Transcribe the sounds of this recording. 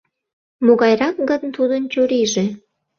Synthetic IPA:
moɣɑjɾɑk̚ɡənt̪ud̪ənt͡ɕuɾiʒe

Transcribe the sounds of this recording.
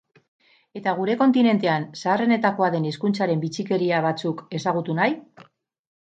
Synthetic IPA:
e̞t̪aɣ̞uɾe̞ko̞nt̪ine̞nt̪e̞ansaːre̞ne̞t̪ako̞aðe̞niskunt͡saɾe̞mbit͡sike̞ɾiaβ̞at͡suke̞saɣ̞ut̪unaj

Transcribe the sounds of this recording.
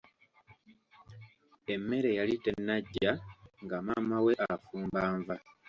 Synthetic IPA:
e̞mːe̞ɾe̞jalite̞nːaɟːaŋɡamaːmawe̞ʔafuːmbaːɱva

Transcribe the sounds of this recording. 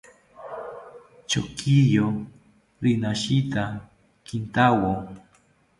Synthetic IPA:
t͡ʃo̰kʰijo | ɾɪnaʃit̪a | kɪnt̪awo

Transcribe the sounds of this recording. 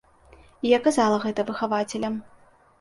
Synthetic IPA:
ijakazalˠɐɣɛt̪ɐvɨxavat͡sʲɛlʲɐm

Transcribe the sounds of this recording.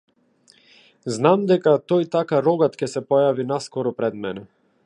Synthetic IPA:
znamd̪ɛkat̪ɔjt̪akaɾɔɡat̪cɛsɛpɔjavinaskɔɾɔpɾɛd̪mɛnɛ

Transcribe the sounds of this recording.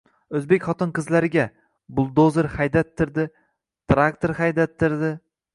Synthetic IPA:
ɵzbekʲχɒt̪ʰɪnqɨzlaɾɪɡʲa | bʊlˠd̪ozɪɾhajd̪at̪ʰːɪɾd̪ɪ | t̪ɾakt̪ʰoɾhajd̪at̪ʰːɪɾd̪ɪ

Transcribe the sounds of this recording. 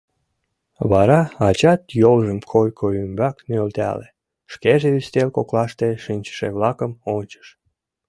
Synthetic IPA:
βɑɾɑɑt͡ɕɑt̪jolʒəmkʰojkʰoymbɑknølt̪æ̰lḛ | ʃkeʒeyst̪elkoklɑʃt̪eʃinʲt͡ɕə̥ʃeβlɑkəmonʲt͡ɕə̥ʃ

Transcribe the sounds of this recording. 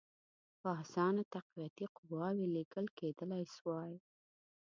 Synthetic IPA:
bɑsɑnat̪aqwiat̪iqʊwɑweleɡəlked̪əlajswɑj

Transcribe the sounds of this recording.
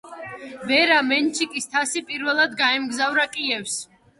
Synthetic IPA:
vɛɾamɛnt͡ʃʰikʼist̪ʰasipʼiɾvɛlˠad̪ɡaɛmɡzavɾakʼiɛfs

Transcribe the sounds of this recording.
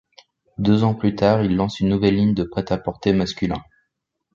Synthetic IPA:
d̪øzɑ̃plyt̪aʁilːɑ̃synːuvɛlːiɲd̪əpχɛt̪apɔʁt̪emaskʲylɛ̃

